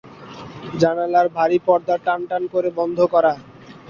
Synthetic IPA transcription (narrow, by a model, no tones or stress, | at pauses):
d͡ʑanalaɾbʱaɾipɔɾd̪aɾʈanʈankoɾebɔnd̪ʱokɔɾa